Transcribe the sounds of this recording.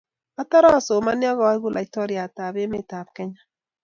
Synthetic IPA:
a˦ta˦ɾɔ˦˨so˨ma˦njɔ˦ɣɔ˨wa˦ɡu˦˨lʔa˨i˨˦tɔ˦ɾi˨a˨ta˨be˦me˦˨ta˨b̚kɛ˦ɲa˦

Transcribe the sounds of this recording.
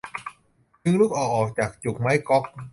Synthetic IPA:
t͡ɕɯ˧ŋluː˦˥˩k̚ʔɔː˨˩ʔɔː˨˩k̚t͡ɕaː˨˩k̚t͡ɕu˨˩k̚ma˦˥jkɔ˦˥k̚

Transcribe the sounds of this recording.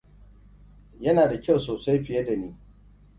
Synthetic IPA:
jɐ˦naː˨da˨kʲa˦˨wsoː˨sa˦jɸɪ˨jɐ˦da˨niː˦

